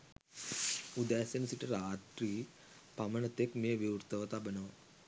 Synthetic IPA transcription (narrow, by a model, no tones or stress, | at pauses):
ud̪aːsɐnɐsiʈɐɾaːt̪ɾiː | pɐmɐnɐt̪ekmeːʋiwɾt̪ɐʋɐt̪abɐnɐʋɐ